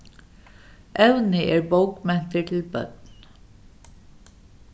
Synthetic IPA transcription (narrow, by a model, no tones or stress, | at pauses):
ʔɛʉnəʔeːɹboʊkmɛnt̪əʈʰɪl̩bœ̰d̪